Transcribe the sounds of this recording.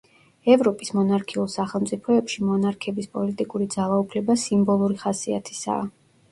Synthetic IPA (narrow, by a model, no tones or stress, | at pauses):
ɛvɾɔpʼismɔnaɾkʰiulˠsaχɛlˠmt̪sʼipʰɔɛpʃimɔnaɾkʰɛbispʼɔlit̪ʼikʼuɾid̪zalˠaupʰlɛbasimbɔlˠuɾiχasia̰t̪ʰi̥sa̰ː